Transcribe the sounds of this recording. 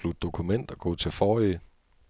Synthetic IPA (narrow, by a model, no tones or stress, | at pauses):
lud̥̚ːo̝kʰumen̰d̥ɒ̽ɡ̥ɔ̰̽ːt͡sʰe̝lfɒːi